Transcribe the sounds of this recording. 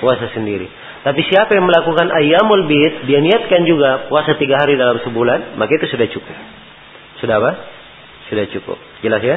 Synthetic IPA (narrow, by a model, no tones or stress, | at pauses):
puasasəndiɾḭ | t̪apisiapajaŋməlakukanʔajamɔlbit̪̚dianiat̪̚kand͡ʒuɡapuasat̪iɡaɦaɾidalamsəbulanmakait̪usudaht͡ʃukʊp̚ | sudapa | sudaht͡ʃukʊ̰p̚d͡ʒəlasja